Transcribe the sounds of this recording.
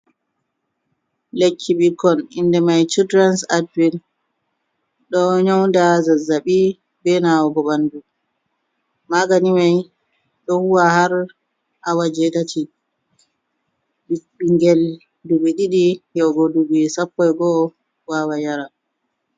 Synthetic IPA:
lekʰːiɓikɔnindɛmajt͡ʃudɾansadwin | ɗɔɲɔwndazazaɓi | bɛnawɔɡɔɓandu | maɡanimaj | ɗɔhuwahaɾ | ʔawad͡ʒɛtati | biɓiŋɡɛl | duɓɛɗiɗijɔɡoduɓisapːɔjɡɔ | wawajaɾa

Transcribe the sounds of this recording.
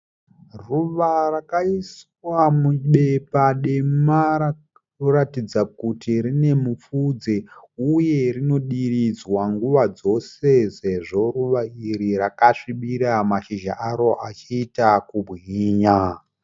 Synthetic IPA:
ruʋarakais | wamuɓe̞paɗemaɾa | oɾatid͡zakutiɾine̞mufud͡zeuje̞rino̞ɗirid͡zwaŋɡuʋad͡zo̞se̞se̞ʐo̞ruʋaiɾiɾakaʂiɓiɾamaʃiʒa̰ʔaɾo̞ʔat͡ʃiːtakubʱiːɲa

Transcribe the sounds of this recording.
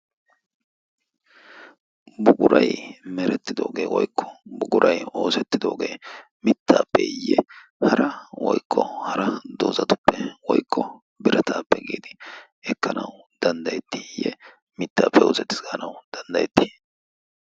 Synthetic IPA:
bʊɡʊɾʔɐjmɛɾɛt̪ːɪd̪o̞ːɡeːwɔjkʰːɔ̥bʊɡʊɾʔɐjo̞ːsɛt̪ːɪd̪o̞ːɡe̞ː | mɪt̪ːaːpːɛjːɛ | hɐɾʔɐwɔjkːɔhɐɾɐd̪oːzɐt̪ʊ̥pːɛwɔjkʰːɔ | bɪɾɐt̪ʰaːpːɛɡḛːd̪ɪ | ɛkːɐnɐw | d̪ɐnd̪ɐjɛt̪ːijːɛ | mɪt̪ːaːpɛwʊzɛt̪ɪ̥sɡɐnɐwd̪̥ɐnd̪ɐjɛt̪ːi̥

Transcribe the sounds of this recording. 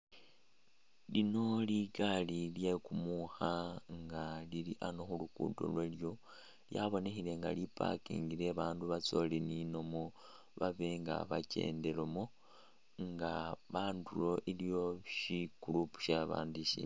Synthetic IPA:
lino̞liɡalilje̞kumuxaŋɡaliliʔanoxulukṵdo̰lweljo̞ | ljaβo̞ne̞xile̞ŋɡa̰lipa̰kḭŋɡiɾe̞βaːnduβat͡so̞linino̞mo | βaβe̞ŋɡa̰βace̞̰ːnde̞lomo | ŋɡaβaːndulo̞ʔilijo̞ʃikulupu̥ʃaβa̰ːndiʃḭ

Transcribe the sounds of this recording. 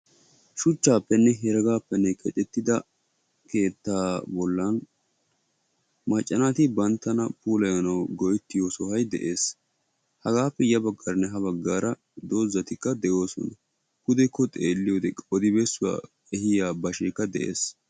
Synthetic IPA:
ʃʊt͡ʃːaːpːɛnːɛɦɛɾɐɡaːpːɛnːɛkʼɛt͡ʃʼɛt̪ːɪd̪ɐ | ke̞ːt̪ːaːbɔlːɐn | mɐt͡ʃʼːɐnat̪ɪbɐnt̪ːɐnɐpuːlɐjɐnɐwɡɔjt̪ːɪjoːsɔhɐjd̪ɛ̰ʔe̞ːs | hɐɡaːpːɛjɐbɐɡːɐɾnːɛɦɐbɐɡːaːɾɐ | d̪o̞ːzːɐt̪ɪkːɐd̪ɛjo̞ːsɔ̰nɐ | kʊd̪ɛkːɔt̪ʼeːlːɪjoːd̪ɛɔd̪ɪbɛsːʊwa̰ː | ɛhɪjaːbɐʃɛkːɐd̪ɛ̰ʔe̞̰ːs

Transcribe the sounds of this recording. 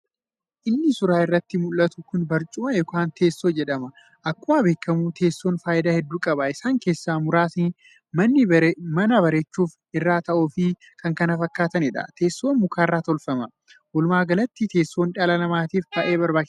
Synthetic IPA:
ʔɪnːɪsʊɾaːɪrːɐt̪ːɪmʊlːɐt̪ʊkʊnbɐɾt͡ʃʼʊmɐjɔkaːnt̪ʰe̞ːsːoːd͡ʒɛᶑɐmɐ | ʔɐkːʊaːbe̞ːkːɐmut̪ʰe̞ːsːoːnfaːʔɪd̪aːhɛd̪ːuːkʼɐbɐɪsaːŋke̞ːsːaːmʊɾaːsnː | mɐnːɪbɐɾmɐnɐbɐɾeːt͡ʃːuːf | ɪrːaːt̪ɐʔuːfɪ | kʰɐŋkɐnɐfɐkːaːt̪ɐnɪᶑɐ̰t̪e̞ːsːoːnmʊkaːrːaːt̪ɔlfɐmɐ | wɔlmaːɡɐlɐt̪ːit̪ʰe̞ːsːo̞ːnᶑɐlɐnɐmaːt̪iːfbɐʔe̞ːbɐɾbaː

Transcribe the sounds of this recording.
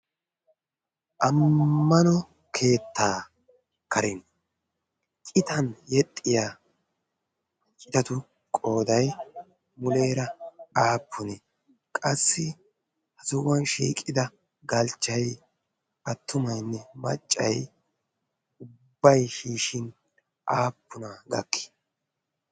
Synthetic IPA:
ʔɐmːɐnɔ | kʰe̞ːt̪ːaː | kʰɐɾɪn | kʼɪt̪ɐnjɛt̪ʼːɪja | t͡ʃʼɪd̪ɐt̪ʊ | kʼo̞ːd̪ɐj | mʊle̞ːɾɐaːpːʊnɛ | kʼɐsːɪ | hɐzʊwɐnʃḭːkʼːɪd̪ɐ | ɡɐlt͡ʃːɐj | ʔɐt̪ʰːʊmɐjnːɛmɐ̰t͡ʃʼːɐ̰j | ʊbːɐjʃiːʃɪn | ʔaːpːʊnɐɡɐ̰kʰːɪ̥

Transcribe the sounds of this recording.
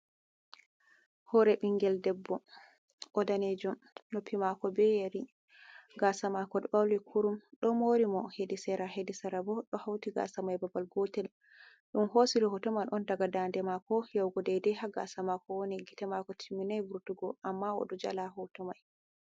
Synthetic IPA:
hɔɾɛbiŋɡɛldɛbːɔ | ʔɔdaned͡ʒum | nopːimakɔbɛjeɾi | ɡasamakɔdbawlikʰuɾumɗɔmoɾimɔhedisɛɾaɦedisaɾabɔɗɔhawtiɡa̰samajbabalɡɔtɛl | ɗumɦosiɾɔhɔtɔmanʔɔndaɡadandɛmakɔjawɡɔdɛjdɛhaɡa̰samakɔwoniɡitɛmakɔtʰimːinajbuɾtuɡɔʔamːaɔ̰ɗɔd͡ʒa̰laɦɔtɔmaj

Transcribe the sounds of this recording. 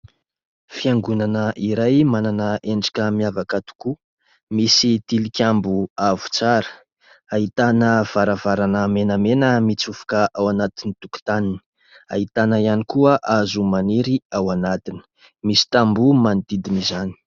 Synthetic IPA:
fiaŋɡunanəʔiɾajmananəeɳɖ͡ʐḁkʲəmiavakat̪u̥ku | misit̪ilikʲambuavu̥t͡saɾə̥ | aɦit̪anəv̥aɾavaɾanəmenəmenəmit͡sufu̥kəʔawanat̪init̪uku̥t̪anini̥ | a̰ɦit̪anəianikuəʔazumaniɾiawanat̪ini̥ | misi̥t̪ambumand̪id̪imizani̥

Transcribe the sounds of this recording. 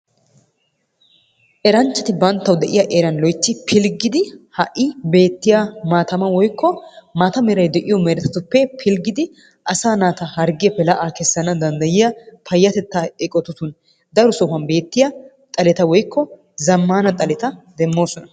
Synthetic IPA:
ʔɛɾɐnt͡ʃːɐt̪ɪbɐnt̪ːɐwd̪ɛʔɪjɐʔeɾɐnlɔjt̪ːɪpʰɪlɡɪd̪ɪhɐʔɪbe̞ːt̪ːɪjamaːt̪ɐmɐwɔjkʰːɔmaːt̪ɐmɛɾɐjd̪ɛʔɪjɔmɛɾɛt̪ɐt̪ʊpːɛpʰɪlɡɪd̪ɪ | ʔɐsaːnaːt̪ɐhɐɾɡɪjɐpɛlɐʔaːkɛsːɐnɐd̪ɐnd̪ɐjɪjɐpʰɐjːɐt̪ɛt̪ːaːɛkʼɔt̪ʊt̪ʊn | d̪ɐɾʊsɔfɐnbe̞ːt̪ːɪjɐ | t̪ʼɐlɛt̪ɐwɔjkːɔ | zɐmːaːnɐt̪ʼɐlɛt̪ɐd̪ɛmːo̞ːsɔnɐ

